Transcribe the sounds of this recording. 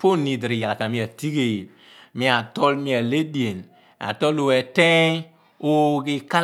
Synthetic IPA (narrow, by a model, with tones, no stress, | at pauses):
po˦ni˨dɾi˨ja˨la˨ka˨na˨mĩ˨˦a˨ti˦ɡe˨ | mi˦a˨tɔ˦lmi˦a˨le˦di˦˨e˨n | a̰˨tɔ˦lo˨ɛ˨tɛ̃˦ | o˦ɡi˨ka˦